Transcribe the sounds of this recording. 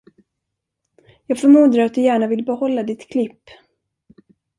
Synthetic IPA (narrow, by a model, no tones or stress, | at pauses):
jɑːɡfœɾmɵnd̪ɾaat̪̚d̪ɵjæːɳavɪlːbɛhɔlːad̪ɪt̪kʰlɪpː